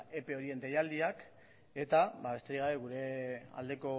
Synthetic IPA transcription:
e̞pe̞o̞ɾie̞nd̪ejald̪iak | e̞t̪abaβe̞st̪e̞ɾiɣaβe̞ɣuɾe̞a̰ld̪e̞ko̞

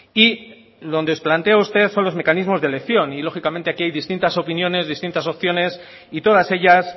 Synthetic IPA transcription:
i | ðo̞nd̪eo̞splant̪e̞aust̪e̞ðso̞nlo̞zme̞kanizmo̞zðe̞le̞kθjo̞nilo̞xikamẽnt̪eakiajðist̪int̪aso̞pinjo̞ne̞zðist̪int̪aso̞pθjo̞ne̞s | it̪o̞ð̞ase̞ʎas

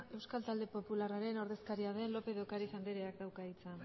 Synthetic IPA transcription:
e̞wskalt̪ald̪e̞po̞pularaɾe̞no̞ɾðe̞skaɾiaðe̞nlo̞pe̞ðokaɾifand̪eɾeak̚d̪awkait͡san

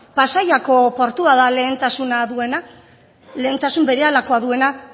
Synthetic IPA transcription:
pasajako̞po̞ɾt̪uaðale̞ːnt̪asunaðue̞na | le̞ːnt̪asumbe̞ɾe̞alako̞aðue̞na

